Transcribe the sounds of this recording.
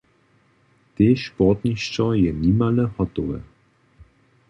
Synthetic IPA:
t̪eːʃpɔt̪ɲiʃt͡ʃɔjɛnimalɛhɔt̪ɔvɛ̰

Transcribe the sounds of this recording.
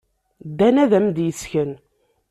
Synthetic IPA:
d̪ːænæðæmd̪jəsçən

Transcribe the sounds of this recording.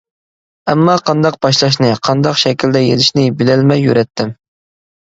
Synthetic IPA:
ɛmːɑqʰɑnd̪ɑq̚bɑʃlˠɑʃ̬nɨqʰɑnd̪ɑqʃɛkʲild̪ɛjelɪʃnɪbɪlɛlmɛjːyɾɛt̪ʰːɪm

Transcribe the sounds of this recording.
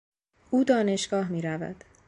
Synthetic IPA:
ʔuːd̪ɒːne̞ʃɡ̥ɒːɦmiːɾævæ̰d̪̥

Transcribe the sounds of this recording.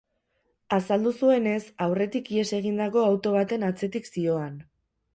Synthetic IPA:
asald̪usue̞ne̞sawre̞t̪ikie̞se̞ɣ̞ind̪ako̞awt̪o̞β̞at̪e̞nat͡se̞t̪iksio̞an

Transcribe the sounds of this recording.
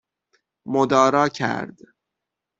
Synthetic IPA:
mod̪ɒːɾɒːcʰæ̰ɾd̪

